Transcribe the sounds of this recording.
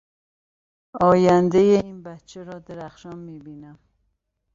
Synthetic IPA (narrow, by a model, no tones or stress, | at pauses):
ɒːjænd̪ejeiːnbæt̪t͡ʃʰeɾɒːd̪eɾæxʃɒnmiːbinæm